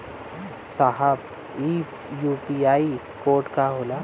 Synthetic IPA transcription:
saɦab | i | jupiaːi | koːɾʈkaɦoːla

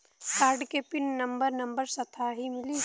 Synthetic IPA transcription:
kaːɾɖkepɪnːɐmbəɾnɐ̃mbəɾsɐt̪ʰaɦimɪliː

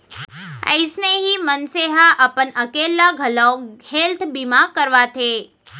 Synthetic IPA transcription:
ə̰ɪsneɦimənseɦaʔəpənəkelaɡʱəlawhelt̪ʰbimakəɾʋat̪ʰe

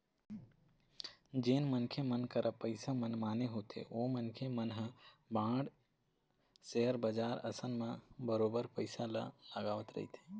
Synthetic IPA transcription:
d͡ʒeːnmənkʰemənkəɾʔəpəɪsamənmaːneɦot̪ʰḛoːmənkʰemənɦəbãːɖ | seɦəɾbəd͡ʒaːɾə̰sənmãbəɾoːbəɾpəɪsala̰ləɡaːʋət̪ɾə̰ɦḭt̪ʰe̥

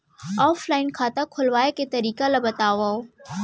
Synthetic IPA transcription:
ɔːflaːɪnkʰaːt̪akʰʊlʋaːeket̪ɐɾiːkalabɐt̪aːʋaːo

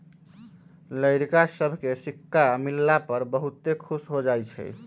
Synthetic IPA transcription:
ləjɾkasəbʱkesikːamilːapəɾbəɦut̪ːekʰusɦod͡ʒajt͡ʃʰɛ̰

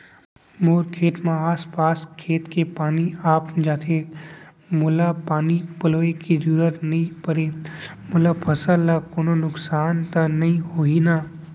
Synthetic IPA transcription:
moːɾkʰeːt̪mãaːspaːskʰeːt̪kepaːniaːpd͡ʒaːt̪ʰe | mʊlapaːnipəloːekid͡ʒuɾət̪nɐɦĩpəɾe | mʊlapʰəsəlːakoːnonʊksaːnt̪anɐɦĩɦoːinaː

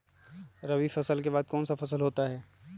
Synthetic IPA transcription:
ɾɐwifɐsəlkebaːd̪̚kɔːnsafɐsəlɦoːt̪aɦɛː

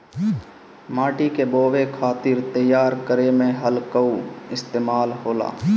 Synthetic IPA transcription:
maːʈikeboːʋekʰaːt̪ɪɾt̪əjaːɾkəɾemẽɦəlkəuɪst̪eːmaːlɦoːla̰ː

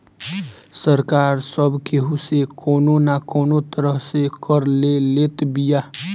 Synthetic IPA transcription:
səɾkaːɾsəbʱkeɦusekoːnonakoːnot̪əɾəɦsekəɾleleːt̪bijaː

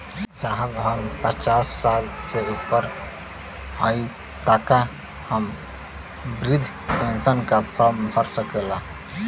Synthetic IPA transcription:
saɦəbɦəmpət͡ʃasːalseupəɾ | əi | t̪aka | həm | bɾid̪ʱ | pensənkapʰəɾmbʱəɾsəkɛla

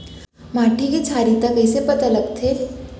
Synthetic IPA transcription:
maʈʰiket͡ʃʰaːɾit̪akəjsepət̪ɐləɡt̪ʰeɾ

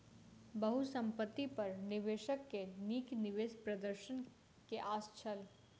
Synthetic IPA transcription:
bɐɦusɐ̃mpət̪ːipɐɾnɪʋeːʃəkːeniːknɪʋeːspɾɐd̪əɾʃən | keʔaːst͡ʃʰəl

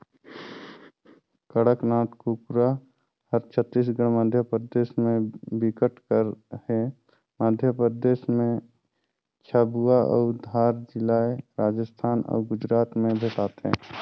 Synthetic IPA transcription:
kəɽəknaːt̪kukɾa | həɾt͡ʃʰət̪ːiːs̬ɡəɽ̃məd̪ʱjəpɾəd̪eːʃmẽbɪkəʈkəɾhɛ̃ | məd̪ʱjəpɾəd̪eːʃmẽ | t͡ʃʰaːbuaʔɔ̰ːd̪ʱaːɾd͡ʒɪlaːeɾaːd͡ʒəst̪ʰaːnɔ̰ːɡʊd͡ʒɾaːt̪mẽbʱeːʈaːt̪ɦɛ̰̃ː

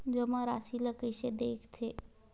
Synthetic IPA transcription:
d͡ʒəmãɾaːsiləkəʃed̪eːkʰt̪ʰeː

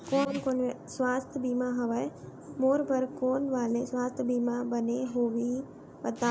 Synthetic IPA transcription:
koːnkoːne | sʋaːst̪ʰəbiːmaɦɐʋəj | moːɾbɐɾkoːnʋaːlesʋaːst̪ʰbiːmabɐneɦoːʋi | ʋɐt̪a

